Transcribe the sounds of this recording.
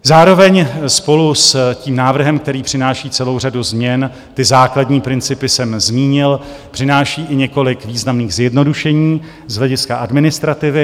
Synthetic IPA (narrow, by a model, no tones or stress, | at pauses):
zaːɾo̞vɛɲspo̞lusciːmnaːvr̩ɦɛmk̚t̪ɛɾiːpr̝̥ɪnaːʃiːt͡sɛlo̞wr̝aduzmɲɛn | t̪ɪzaːkladɲiːpɾɪnt͡sɪpɪsɛmzmiːɲɪl | pr̝̥ɪnaːʃiːʔɪɲɛko̞lɪkviːznamniːɣzjɛdno̞duʃɛɲiː | zɦlɛɟɪskaʔadmɪnɪst̪ɾat̪ɪvɪ